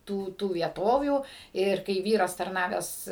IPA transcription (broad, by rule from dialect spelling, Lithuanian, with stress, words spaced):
ˈtuː ˈtuː ʋʲiɛˈtoːʋʲuː ˈɪr kɐɪ ˈʋʲiːrɐs tɐrˈnɑːʋʲæːs